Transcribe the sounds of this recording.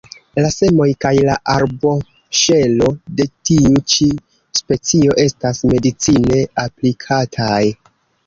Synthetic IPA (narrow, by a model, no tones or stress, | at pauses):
lase̞mo̞jkajlaʔaɾbo̞ | ʃe̞lo̞de̞tiut͡ʃi | spe̞t͡sio̞ʔe̞stasme̞dit͡sine̞aplikʰatʰaj